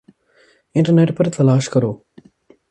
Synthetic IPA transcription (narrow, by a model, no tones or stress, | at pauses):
ɪɳʈɐɾneʈpɐɾt̪ɐlaːʂkɐɾoː